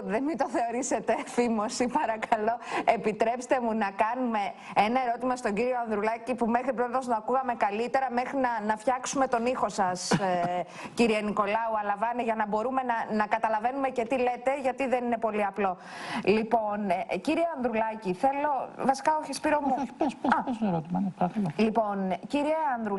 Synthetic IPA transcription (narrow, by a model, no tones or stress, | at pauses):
ðenmit̪o̞θe̞o̞ɾise̞t̪e̞fimosipɐɾɐkɐlo̞e̞pit̪ɾe̞pst̪e̞munɐkɐnume̞enɐe̞ɾo̞t̪imɐst̪o̞ɲɟiɾio̞ɐnðɾulɐcipume̞xɾipɾot̪ozoɐkuɣɐme̞kɐlit̪e̞ɾɐme̞xɾinɐnɐfçɐksume̞t̪o̞nixo̞sɐs | ciɾieniko̞lɐuɐlɐvɐneʝɐnɐbo̞ɾume̞nɐnɐkɐt̪ɐlɐve̞nume̞ce̞t̪ile̞t̪e̞ʝɐt̪iðe̞nine̞po̞liɐplo̞ | lipo̞nciɾieɐnd̪ɾulɐciθe̞lo̞vɐsi̥kɐoçispiɾomuessɐpeseɾot̪imɐnpɾokɐmɐlipo̞nciɾieɐnd̪ɾu